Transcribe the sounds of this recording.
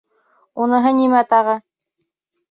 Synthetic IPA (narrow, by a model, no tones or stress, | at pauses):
unɤ̆ɦɤnimæt̪ɑʁɤ